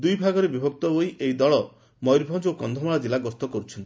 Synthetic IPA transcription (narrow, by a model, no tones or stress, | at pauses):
d̪ujbʱaɡɔɾebibʱɔk̚t̪ɔboiʔejd̪ɔɭɔ | mɔjɾbʱɔd͡ʒokɔnd̪ʱɔmaɭad͡ʒilaɡɔst̪ɔkɔɾut͡ʃʰɔnt̪i̥